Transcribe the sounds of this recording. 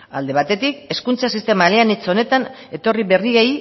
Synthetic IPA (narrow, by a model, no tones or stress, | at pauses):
a̰ld̪e̞β̞at̪e̞t̪ike̞skunt͡sasist̪e̞maleanit͡so̞ne̞t̪ane̞t̪o̞riβe̞riɣej